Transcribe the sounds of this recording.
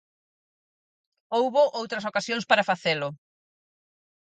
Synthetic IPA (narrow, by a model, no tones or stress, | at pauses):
owβʊʔowt̪ɾɐs̬okasjõŋspaɾafaθelʊ